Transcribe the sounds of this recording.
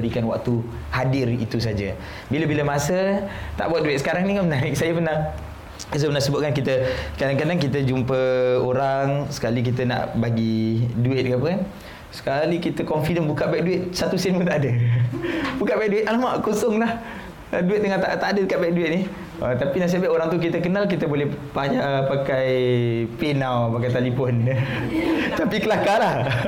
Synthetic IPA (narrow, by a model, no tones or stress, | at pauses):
əɾikanwa̰k̚t̪u | hadɪɾḭt̪us̬ad͡ʒa̰ | biləbiləmasət̪a̰ʔbuat̪̚duɪt̪sə̥kaɾaŋnikamənaɾɪk̚sajəpərnah | sjpərnahsəbʊtʔ̚kankit̪əsə̥kadaŋkadaŋk̬it̪̬əd͡ʒumpəoɾaŋsə̥kalik̬it̪əna̰ʔbaɡiduɪt̪̚kap̬əkan | sə̥kalikit̪əkɔnfidəmbukaʔbɛk̚duɪt̪̚sat̪usinmut̪̬aʔdə | bukaʔbɛk̚duɪt̪ʔalamaʔkosɔŋlah | duɪt̪̚ːəŋat̪aʔt̪adədəkaʔbaɛk̚duɪt̪̚nih | ət̪apinasiabaʔoɾaŋt̪uk̬it̪əkənalkit̪əbolɛhpajaʔpakajpenawpakajt̪alifɔnə | t̪apikəlakalah